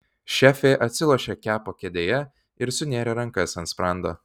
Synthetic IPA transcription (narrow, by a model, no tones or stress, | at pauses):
ʃʲæːfʲeːʔɐt̪ʲsʲɪlˠoʃʲɛːkʲæːpoːkʲɛd̪ʲeːjɛ | ɪɾsʊnʲeːɾʲɛɾɐŋkɐsɐnt̪spɾɑˑnd̪oː